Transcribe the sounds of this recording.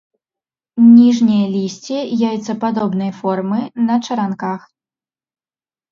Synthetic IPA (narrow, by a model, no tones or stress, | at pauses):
nʲiʐnʲijɐlʲisʲt͡sʲijajut̪sːɐpad̪ɔbnɨjfɔrmɨnɐt͡ʂɐɾankax